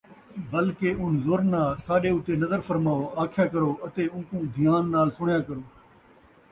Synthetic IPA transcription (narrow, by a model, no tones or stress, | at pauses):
bəlkeːʔʊnzoːɾnaːsaːɗeːʊt̪eːnəzəɾfəɾmaːoːaːkʰjaːkəɾoːət̪eːʊ̃ːkũːd̪ʱɪjaːnːaːlsʊɳjaːkəɾoː